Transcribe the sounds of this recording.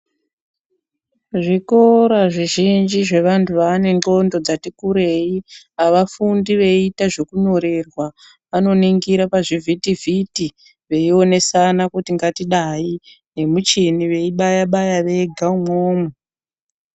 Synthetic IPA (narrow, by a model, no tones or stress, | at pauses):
ʐiko̞ɾaʐiʒind͡ʒiʐe̞ʋantʰuʋaːne̞ŋɡo̞ndo̞d͡zatikuɾe̞i | aʋafundiʋe̞itaʐe̞kuɲo̞ɾerwa | ʋano̞niŋɡiɾapaʐivʱitivʱiti | ʋe̞io̞ne̞sanakutiŋɡatiɗai | ne̞mut͡ʃiniʋe̞iɓajaɓajaʋe̞ɡʱaumoːmo